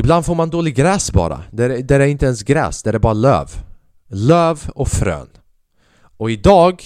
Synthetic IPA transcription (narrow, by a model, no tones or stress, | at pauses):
ɪbland̪foːɾmand̪oːlɪɡɡɾɛːsbɑ̰ːɾa̰d̪ɛd̪æɾæɾɪnt̪əɛnsɡɾɛ̰ːsd̪ɛæɾɛbɑːɾalø̰ːv | løːvɔfɾø̰ːn | ʔɔɪd̪ɑːɡ